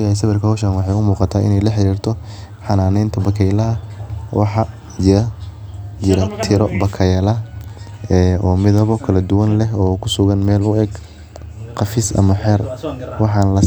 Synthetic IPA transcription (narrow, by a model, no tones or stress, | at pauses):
jɐhɛjs̬ɐβɛrkʰɐhɔʃaːnwɑħɑjʊmuːqɑt̪ʰaːʔɪ̰nɛjlɐħɪɾiːrt̪ʰɔ | ħɑnaːnɛjnt̪ʰɐbɐkʰɛjlɐɦɐwʔɑ̰ħɑ | d͡ʒɪɾɐ | d͡ʒɪɾɐt̪ʰɪɾɔbɐkʰɐjɐlɐ | ɛːʔɔːmɪðɐβɔkʰɐlɐd̪ʊwɐnlɛɦɔːkʰʊsʊɣɐnmɛːlʊɛɡ | qɑfɪsʔɐ̰mɐħɛrwɑħɑnlɐ